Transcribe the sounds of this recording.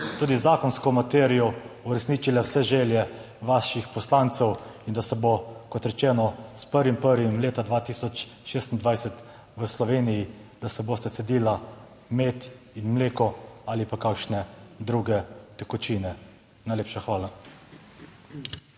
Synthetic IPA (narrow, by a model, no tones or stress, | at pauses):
t̪uːd̪izaːkɔnskɔmat̪ɛɾijɔuɾɛsniːt͡ʃilɛwsɛʒɛːljɛ | ʋaːʃixpɔslaːnt̪sɛwind̪asɛbokɔt̪ɾɛt͡ʃɛːnɔspəɾʋimpəɾʋimleːt̪ad̪ʋaːt̪iːsɔt͡ʃʃeːst̪ind̪ʋajsɛt̪ | ʋəslɔʋeːnijid̪̥asɛboːst̪ɛsɛd̪iːla | meːt̪ | inmleːkɔalipakakʃnɛd̪ɾuɡɛt̪ɛkɔt͡ʃiːnɛ | najleːpʃaxʋaːla